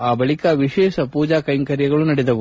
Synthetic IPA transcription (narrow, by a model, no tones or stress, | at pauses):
aːbɐɭikaːʋiʃɛːʃɐpuːd͡ʒaːkɐjŋkɐɾjɐɡɐɭunɐɽɛd̪ɐʋu